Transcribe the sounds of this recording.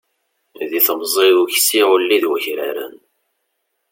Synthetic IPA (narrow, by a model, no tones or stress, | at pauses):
ðiθəmzˤiðuçsiʁʊlːiðwəçɾaɾə̰n